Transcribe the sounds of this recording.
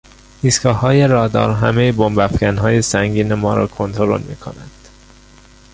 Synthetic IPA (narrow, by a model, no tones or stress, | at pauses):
iːskɒːhɒːje̞ɾɒːd̪ɒ̰ːɾɦæme̞jebombæfcænɦɒːje̞sæŋɟiːne̞mɒːɾɒ̰ːkʰont̪ʰoɾo̰lmḭːkʰo̰nænd̪̥